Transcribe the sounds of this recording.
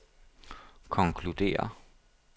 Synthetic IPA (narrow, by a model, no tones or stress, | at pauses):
kʰɒ̽ŋkʰlud̥̪e̝̰ːɐ̰